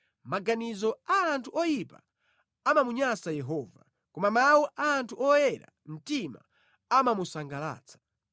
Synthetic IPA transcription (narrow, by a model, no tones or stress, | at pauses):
maɡanizɔaːntʰuʔɔjipa̰ | amamuɲasajɛɦɔːva | kɔmamawuʔaːntʰuʔɔjɛɾa̰ | m̩tima̰ | amamusaŋɡala̰ːt͡sʰḁ